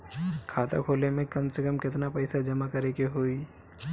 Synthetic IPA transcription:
kʰaːt̪a̰kʰoːlemẽkɐmsekəmkɪt̪napɐɪsad͡ʒɐmakɐɾekeɦoːi

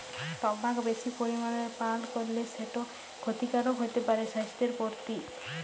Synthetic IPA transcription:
t̪ɔbakbesipoɾimanɔɾepalkɔɾileseʈo | kʰot̪ikaɾɔɦojt̪epaɾesast̪eɾpoɾt̪i

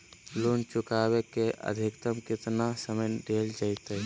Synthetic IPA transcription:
loːnt͡ʃʊkaːbekeʔə̰d̪ʱɪkt̪əmkɪt̪nasəməjɖʱeːld͡ʒəɪt̪ə

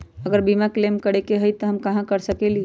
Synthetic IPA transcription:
əɡəɾbimaklemkəɽekeɦəjt̪ɔɦəmkəɦãkəɾsəkeli

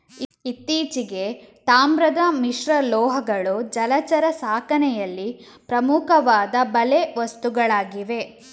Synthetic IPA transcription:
iit̪ːiːt͡ʃiɡe̞t̪aːmɾɐd̪ɐmiʂɾɐlɔːɦɐɡɐɭud͡ʒɐlɐt͡ʃɐɾɐsaːkɐnɛjɐlːi | pɾɐmukɐʋaːd̪ɐbɐleʋɐst̪uɡɐɭaːɡiʋe̞

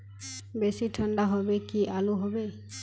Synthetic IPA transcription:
besiʈʰəɳɖaɦɔbekiʔaluɦobe

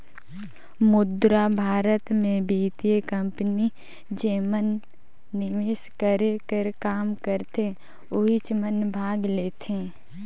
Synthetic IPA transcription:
mʊd̪ɾabʱaːɾət̪mẽbʱiːt̪iəkə̃mpni | d͡ʒeːmənː | ɪʋɪskəɾekəɾkaːmkəɾt̪e | ʊɦɪt͡ʃmənbʱaːɡleːt̪ẽ

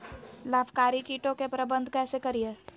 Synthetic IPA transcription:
laːbʰkaːɾikiːʈõkepɾɐbə̃nd̪ʱkɛːsekɐɾije

